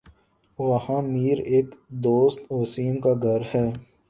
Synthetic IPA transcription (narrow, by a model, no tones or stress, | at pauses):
ʋɐhãːmiːɾeːkd̪oːst̪oːsiːmkaɡʱɐɾhɛː